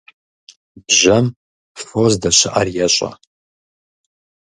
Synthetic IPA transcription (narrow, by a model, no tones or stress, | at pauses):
bʒɐm | fozdɐɕɪʔɐrjɛɕʼɐ̰